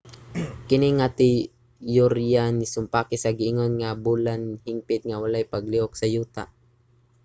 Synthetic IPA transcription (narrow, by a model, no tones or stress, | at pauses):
kɪniŋat̪i | jʊɾjanɪsʊmpakɪsaɡɪʔɪŋonŋabuːlanhɪmpɪt̪̚ŋawalajpaɡliʔoksɐjuːt̪a̰ʔ